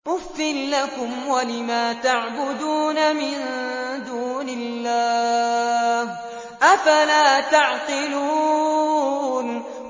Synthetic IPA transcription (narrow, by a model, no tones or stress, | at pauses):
ʔʊfːɪlːakʊmwalɪmaːt̪aʕbʊd̪uːnamɪnd̪uːnɪlːaː | h | ʔafalaːt̪ɑʕqɪluː | n